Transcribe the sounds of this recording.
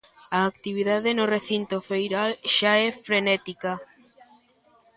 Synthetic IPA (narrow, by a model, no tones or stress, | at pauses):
aːkt̪iβ̞iðaðenʊreθint̪ofejɾalʃaɛfɾenɛt̪ika